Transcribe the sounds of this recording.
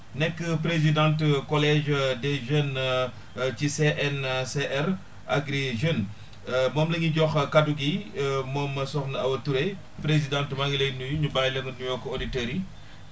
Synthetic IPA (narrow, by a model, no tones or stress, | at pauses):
nɛkːəpɾezidãntkɔlɛʒdɛʒən | ciseʔɛnseʔɛɾ | aɡɾiʒən | mɔːmlɐɲiɟɔxkaduɡimɔːmːɐsɔxnɐɐwɐtuɾɛ | pɾezidãntmaŋɡilejnujuɲubajləŋɡənɲujɔːkːɔoditəɾi